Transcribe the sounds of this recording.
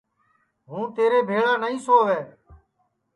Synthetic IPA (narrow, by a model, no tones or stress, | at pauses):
ɦũːt̪eːɾeːbʱeːɭaːnəĩːsoːʋeː